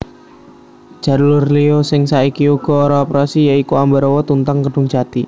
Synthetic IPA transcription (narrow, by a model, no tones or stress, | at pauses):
d̥ʒ̥a̤ɾlʊrliɔsɪŋsaikiuɡ̥ɔ̤ːɾɔːpɾasijaikuambɛɾɔwɔt̪unt̪aŋkəɖ̥ʊŋd͡ʒ̥a̤t̪i